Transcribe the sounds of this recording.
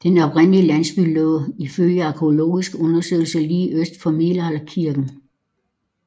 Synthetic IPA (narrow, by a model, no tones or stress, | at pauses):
d̥enɒ̽b̥ʁen̰lilæn̰sb̥yloðˠiføljəæɑkʰolo̝̰ːisɡ̥ɔ̽nɐsø̰ːl̩səliːʔøsd̥fɒmelælkʰiɐɡ̥n̩